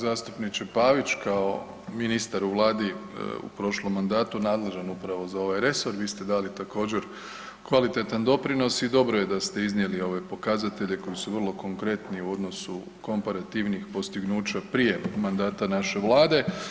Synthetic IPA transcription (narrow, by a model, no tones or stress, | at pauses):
zaːst̪upnit͡ʃepaːʋit͡ʃkao̞ | minist̪aɾuʋlˠaːd̪ḭṵpɾo̞ʃlˠo̞mːand̪aːt̪unaːd̪le̞ʒanupɾaʋo̞zao̞ʋajɾe̞so̞ɾʋiːst̪e̞d̪alit̪ako̞ːd͡ʑe̞ɾ | kʋalit̪e̞t̪and̪o̞pɾino̞sid̪o̞bɾo̞je̞d̪ast̪e̞iznije̞lio̞ʋe̞po̞kazat̪e̞ʎe̞ko̞jisuʋər̩lˠo̞ko̞ŋkɾe̞t̪niuo̞d̪no̞su | ko̞mpaɾat̪iʋnixpo̞st̪iɡnuːt͡ʃapɾije̞mand̪aːt̪anaʃe̞ʋlˠaːd̪e̞